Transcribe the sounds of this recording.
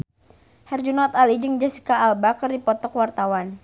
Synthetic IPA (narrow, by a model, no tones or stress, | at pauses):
hɛrd͡ʒunɔt̪alid͡ʒɨŋd͡ʒasi̥kaːlbakərdipɔt̪ɔkwart̪awan